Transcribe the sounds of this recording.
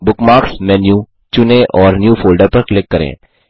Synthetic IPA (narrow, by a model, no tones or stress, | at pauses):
bʊkmaːɾksmɛ̃ːnjũ | t͡ʃʊnẽʔɔːɾnjuːfʰoːlɖəɾpɐɾklɪkːɐɾḛ̃ː